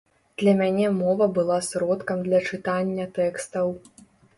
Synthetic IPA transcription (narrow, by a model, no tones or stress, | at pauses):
d̪̥lʲɐmʲanʲɛmɔvɐbɨlˠasɾɔt̪kɐmd̪lʲɐt͡ʂɨt̪anʲːɐt̪ɛkst̪ɐw